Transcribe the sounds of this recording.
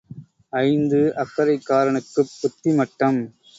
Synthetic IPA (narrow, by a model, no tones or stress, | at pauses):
ɐɪnd̪ɯʔɐkːɐɾɐɪkːaːɾɐɳɯkːɯpːʊt̪ːimɐʈːɐm